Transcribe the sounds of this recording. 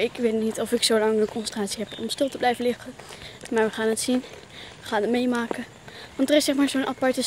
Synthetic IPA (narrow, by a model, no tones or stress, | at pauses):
ɪkʋetnitɔfɪksowlɑŋənkɔ̃nsəntraːtsiɦɛpɔ̰mstɪlˠtəblɛjvənlɪχənmaːɹʋəχaːnətsin | əχaːnətmejmaːkə | ʋɑntərɪsɛχmaːɹzonʔapɑɹtə